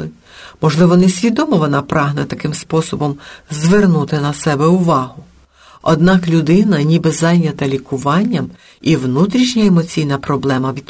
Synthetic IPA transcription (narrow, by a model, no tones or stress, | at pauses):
ɪ | mɔʒlˠɪʋɔnɛsʲʋʲid̪ɔmɔʋɔnɑpɾɑɦnɛt̪ɐkɪmspɔsɔbɔmzʋernut̪ɪnɐsɛbɛʊʋɑɦʊ | ɔ̰d̪̚nɑklʲʊd̪ɪnɐnʲibɛzɑjnʲːɐt̪ɐlʲikʊʋɑnʲːɐm | iʋnut̪ɾʲiʃnʲɐemɔt͡sʲijnɐpɾɔblˠɛmɐʋʲit̪